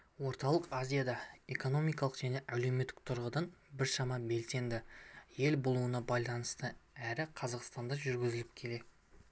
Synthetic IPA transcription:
wo̞ɾt̪ɑlˠəqazʲijad̪ɑe̞ko̞no̞mijkɑlˠəqʒ̥æne̞ʔæle̞wme̞t̪ːɪ̥k̚t̪ʰʊɾʁəd̪ɑnbɪɾʃɑmɑbe̞lse̞nd̪ɪje̞lbolˠuənɑbɑjlˠɑnəst̪əæɾɪqʰɑzɑqst̪ɑnd̪ɑʒʏɾɡʲɪzɪlɪp̚kʲʰe̞le̞ɪ

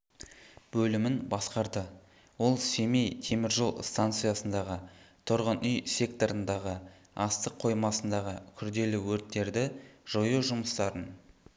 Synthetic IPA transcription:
b̥ɵlɪmɪnbɑsqɑɾd̪ə | wo̞lˠse̞me̞jt̪ʰe̞mɪɾʒolˠst̪ant̪sɨjasənd̪ɑʁət̪ʰʊɾʁənʔʏjsʲe̞kt̪o̞ɾənd̪ɑʁə | ɑst̪əqʰo̞jmɑsənd̪ɑʁəkʲʰʏɾd̪e̞lɪwɵɾt̪ːe̞ɾd̪ɪʒ̥ojuʒʊməst̪ɑɾən

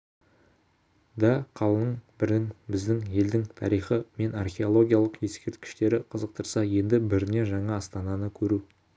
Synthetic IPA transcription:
d̪ɑqʰɑlˠənəɴbɪɾd̪ɪŋbɪzd̪ɪŋje̞ld̪ɪŋt̪ʰɑ̰ɾijχəme̞nɑrχʲe̞o̞lˠo̞ɡʲijalˠəqje̞skʲe̞ɾt̪kʲɪ̥ʃt̪e̞ɾɪqʰəzəq̚t̪əɾsɑje̞nd̪ɪbɪɾɪne̞ʒɑɴɑːst̪ɑnɑnəkʲʰɵɾu

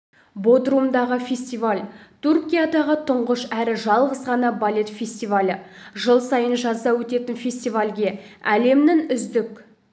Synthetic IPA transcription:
bod̪rumd̪ɑʁəfʲe̞sʲt̪ijvalʲt̪ʰurkʲijad̪ɑʁət̪ʰʊɴʁəʃæɾɪʒɑlˠʁəzʁɑnɑbalʲe̞t̪fʲe̞sʲt̪ijvalʲəʒəlˠsɑjənʒɑzɑwɵt̪e̞t̪ɪnfʲe̞sʲt̪ijvalʲɡʲe̞æle̞mnɪŋʏzd̪ɪk

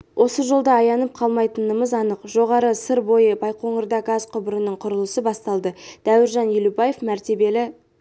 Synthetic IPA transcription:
wʔo̞səʒo̞lˠd̪ɑːjɑnəp̚qʰɑlˠmɑjt̪ənəməzɑnəqʒ̥o̞ʁɑɾəsəɾbo̞jəbɑjqʰo̞ɴəɾd̪ɑɡɑzqʰʊbəɾənəɴqʰʊɾəlˠəsəbɑst̪ɑlˠd̪əd̪̥æwɪɾʒɑnjɪlubɑje̞fmæɾt̪e̞be̞lɪ

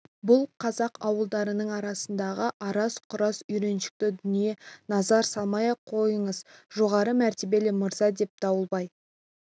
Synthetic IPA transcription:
bʊlˠqʰɑzɑqʰɑwəlˠd̪ɑɾənəɴɑɾɑsənd̪ɑʁəʔɑɾɑsqʰʊɾɑsʏjɾe̞nʃɪ̥k̚t̪ɪd̪ʏnije̞nɑzɑɾsɑlˠmɑjɑqʰo̞jəɴəzʒo̞ʁɑɾəmæɾt̪e̞be̞lɪməɾzɑd̪e̞p̚t̪ʰɑwəlˠbɑj

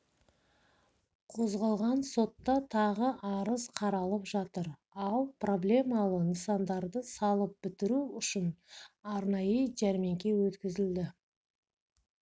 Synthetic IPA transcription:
qʰo̞zʁɑlˠʁɑnso̞t̪ːɑt̪ʰɑʁəʔɑɾəzqʰɑɾɑlˠəpʒɑt̪əɾ | ɑlˠpro̞blʲe̞mɑlˠənəsɑnd̪ɑɾd̪əsɑlˠəp̚b̥ɪt̪ɪɾuʏʃɪnɑɾnɑjəʒæɾme̞ŋkʲe̞wɵt̪kʲɪzɪld̪ɪ

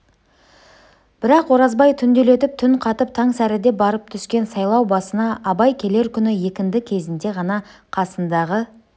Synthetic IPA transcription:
b̥ɪɾɑqwo̞ɾɑzbɑjt̪ʰʏnd̪ele̞t̪ɪp̚t̪ʰʏnqʰɑt̪əp̚t̪ʰɑŋsæɾɪd̪e̞bɑɾəp̚t̪ʰʏskʲe̞nsɑjlˠɑwbɑsənɑʔːbɑjkʲʰe̞le̞ɾkʲʰʏnɪje̞kʲɪnd̪ɪkʲʰe̞zɪnd̪e̞ʁɑnɑ | qʰɑsənd̪ɑʁə

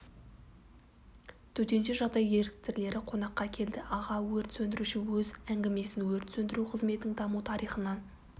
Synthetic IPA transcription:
t̪ʰɵt̪e̞nʃɪʒɑʁd̪ɑje̞ɾɪk̚t̪ɪɾle̞ɾɪqʰo̞n̪ɑqːɑkʲʰe̞ld̪ɪʔɑʁɑwɵɾt̪sɵnd̪ɪɾuʃɪwɵzæŋɡʲeme̞sɪnwɵɾt̪sɵnd̪ɪɾuqʰəzme̞t̪ːɪŋd̪ɑmut̪ʰɑɾijχənɑn

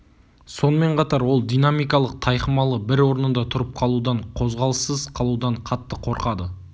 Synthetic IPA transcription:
so̞nəme̞ɴqʰɑt̪ɑɾwo̞lˠd̪ijnamijkɑlˠəq̚t̪ʰɑjqəmɑlˠəbɪɾwo̞ɾənənd̪ɑt̪ʰʊɾəp̚qʰɑlˠud̪ɑɴqʰo̞zʁɑlˠəsəz̥qʰɑlˠud̪ɑɴqʰɑt̪ːəqʰo̞ɾqɑd̪ə

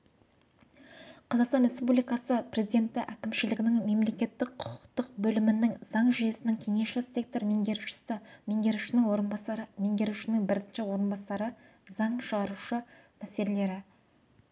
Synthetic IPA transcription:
qʰɑzˠɑqst̪ɑnɾʲe̞spublijkɑsəpre̞zijd̪e̞nt̪ɪʔækʲɪmʃɪlɪɡʲɪnɪŋme̞mle̞kʲe̞t̪ːɪk̚qʰʊ̥qʊ̥qt̪əq̚bɵlɪmɪnːɪŋz̥ɑɴʒʏje̞sɪnɪŋkʲʰe̞ŋe̞sʃɪse̞k̚t̪o̞ɾme̞ŋɡʲe̞ɾuʃɪ̥sɪme̞ŋɡʲe̞ɾuʃɪnɪŋwo̞ɾənbɑɑɾme̞ŋɡʲe̞ɾuʃɪnɪŋbɪɾɪnʃɪwo̞ɾənbɑsɑɾə | zɑɴʃəʁɑɾuʃəmæse̞le̞le̞ɾɪ

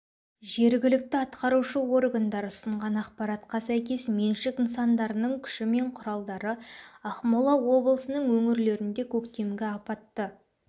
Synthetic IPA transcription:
ʒe̞ɾɡʲɪlɪk̚t̪ɪɑt̪qɑɾuʃəo̞rɡand̪ɑɾʊsəɴʁɑnɑqpɑɾɑt̪qɑsæjkʲe̞smenʃɪkənsɑnd̪ɑɾənəɴkʲʰʏ̥ʃɪme̞ɴqʰʊɾɑlˠd̪ɑɾəɑχmolˠɑwo̞blˠəsənəɴwɵŋɪɾle̞ɾɪnd̪e̞kʲʰɵkt̪e̞mɡʲɪɑpɑt̪ːə

